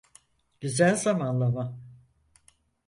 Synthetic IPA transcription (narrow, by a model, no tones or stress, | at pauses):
ɟ̥yzælʲzamanlˠama